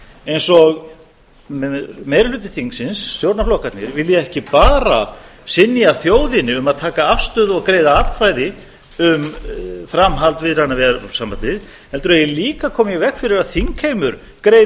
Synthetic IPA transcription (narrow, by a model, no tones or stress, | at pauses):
ejnsɔɣ | mejɾlʏːt̪ːɪθiŋksɪnsːjowɾnaflɔːkat̪nɪɾvɪljɛɛhcɪpaːɾa̰sɪnːjaθjoːwðɪnːɪʏmaðt̪ʰaːkaafst̪ʏːðɔɣkɾeːjðaat̪kʰvajðɪ | ʏmfɾamɦalt̪vɪðɾanːavɛɾsampant̪ɪð | ɛlt̪ʏɾɛjɛliːkakʰɔːmjɛvɛhkfɪɾɪɾaðθiŋkʰhejmʏɾ̥ | kɾej